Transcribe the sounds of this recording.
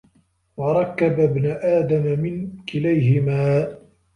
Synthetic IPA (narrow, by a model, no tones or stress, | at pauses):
wɑɾˤɑkːababnʊʔaːd̪amamɪnkɪlajɦɪmaː